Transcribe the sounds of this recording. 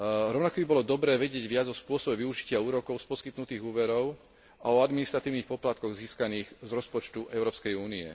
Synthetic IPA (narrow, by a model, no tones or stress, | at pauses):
ɾɔʊnakɔbibɔlɔd̪ɔbɾɛːʋɛɟɪɛɟʋɪad͡zɔspʊɔsɔbɛʋiuʒicɪauːɾɔkɔʊspɔskit̪nut̪iːɣuːʋɛɾɔʊ | aɔad̪minist̪ɾat̪iːʊnixpɔplat̪̚kɔɣziːskaniːɣzɾɔspɔt͡ʃt̪uʔɛʊɾɔːpskɛjuːniɛ̰